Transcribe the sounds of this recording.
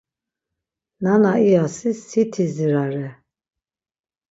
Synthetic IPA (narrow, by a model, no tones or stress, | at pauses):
nanaiasisːit̪ʰiziɾaɾɛ